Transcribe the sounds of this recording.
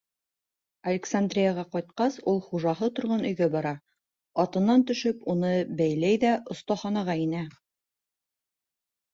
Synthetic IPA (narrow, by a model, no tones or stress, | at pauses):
ɐlʲɪksand̪rʲijaʁɑqɑjt̪̚qɑsulˠχuʒɑɦɤt̪ŏɾʁɑnɵ̆jɡæbɑɾɑ | ɑt̪ɤ̆nːɑnt̪ɵ̆ʃɵpunɤbæjlæjðæʔŏst̪ɑχɑnɑʁɑinæ